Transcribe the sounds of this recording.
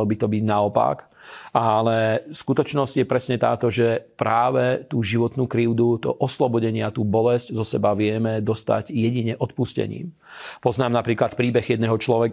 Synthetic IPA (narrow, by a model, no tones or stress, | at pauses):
ɔbit̪ɔbiɟnaɔpa̰k | alɛskut̪ɔt͡ʃnɔzɟjɛpɾɛsɲɛt̪a̰ːt̪ɔʒɛpɾaːʋɛt̪uːʒiʋɔt̪nuːkɾiʊd̪ut̪ɔ̰ʔɔslɔbɔɟɛɲɪat̪uːbɔlɛsczɔsɛbaʋɪɛmɛd̪ɔst̪a̰ɟjɛɟiɲɛʔɔt̪puscɛ̰ɲḭːm | pɔznaːmnapɾiːklat̪pɾiːbɛɣjɛd̪nɛɦɔt͡ʃlɔʋɛk